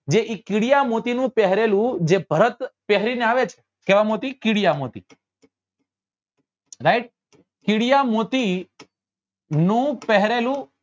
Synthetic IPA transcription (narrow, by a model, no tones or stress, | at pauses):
d͡ʒeʔikɪɽijamot̪inũːpɛɦɾelũd͡ʒebʱəɾət̪pɛɦɾineaːʋet͡ʃʰ | keʋamoːt̪ikɪɽijamot̪ḭ | ɾajʈ̚ | kɪɽijamot̪i | nũːpɛɦɾelũ